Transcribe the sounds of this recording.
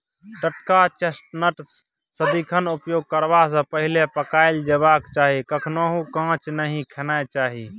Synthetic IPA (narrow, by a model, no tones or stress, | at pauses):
ɖəʈkat͡ʃesʈnəʈ | səd̪ikʰənupjoɡ̚kəɾbas̬ə̃pəɦilepəkaɪld͡ʒeβakt͡ʃaɦikəkʰnoɦũkãt͡ʃnəɦĩkʰenat͡ʃaɦi